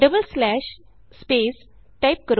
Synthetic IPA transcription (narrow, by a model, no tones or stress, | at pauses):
ɖəbəlslɛːʃ | speːs | ʈaɪp̚kəɾ